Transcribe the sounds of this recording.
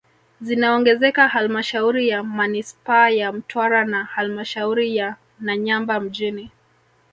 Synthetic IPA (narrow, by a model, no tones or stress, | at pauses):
zinaɔŋɡɛzɛkahalmaʃauɾijamanispaːjam̩tʰwaɾanahalmaʃauɾija | naɲambam̩ʄini